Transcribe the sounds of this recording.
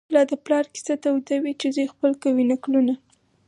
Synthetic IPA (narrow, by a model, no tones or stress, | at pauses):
lɑd̪əplɑɾki̥sat̪awd̪awit͡ʃezujxpəlkawinakluna